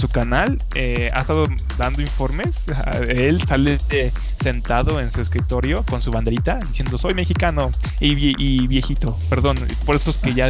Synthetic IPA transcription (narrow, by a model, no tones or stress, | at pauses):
sukanal | e | a̰est̪aðo | d̪and̪o̞iɱfo̞ɾme̞s | elt̪ot̪alment̪e̞ | se̞nt̪aðo̞ensue̞skɾit̪o̞ɾjo̞ko̞nsuβand̪eɾit̪aðisje̞nd̪o̞so̞jme̞xikano | iʔiβje̞xit̪o̞pe̞ɾðo̞n | poɾe̞soeske̞ʝa